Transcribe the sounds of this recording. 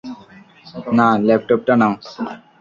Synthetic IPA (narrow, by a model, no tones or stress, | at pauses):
nalɛp̚ʈop̚ʈanaw